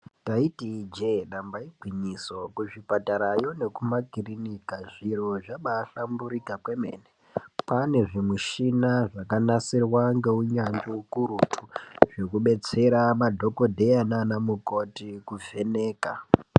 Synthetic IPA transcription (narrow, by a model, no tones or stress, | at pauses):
taitid͡ʒeɗambaiɡʱwiɲiso̞kuʐipataɾajo̞ne̞kumakirinikaʐiɾo̞ʐaɓaːɬambuɾikakwe̞mḛːne | pane̞ʐimuʃinaʐakanasirwaŋɡe̞uɲand͡ʒoukuɾutʰu̥ʐekuɓe̞t͡se̞ɾamadʱo̞ko̞dʱe̞jananamukotikuvʱe̞ne̞ːka